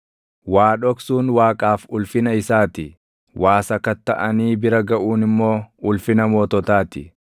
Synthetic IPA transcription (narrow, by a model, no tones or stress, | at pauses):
waːᶑɔksuːnwaːkʼaːfʊlfɪnɐɪsaːt̪ɪ | wʔaːsɐkɐt̪ːɐʔɐniːbɪɾɐɡɐʔuːnɪmːo̞ːʊlfɪnɐmoːt̪ɔt̪aːt̪ɪ